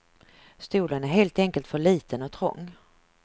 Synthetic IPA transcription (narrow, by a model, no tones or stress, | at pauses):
st̪uːlənæɾɦeːlt̪ɛŋkəlt̪fœɭiːt̪ənɔt̪ʰɾɔ̰ŋː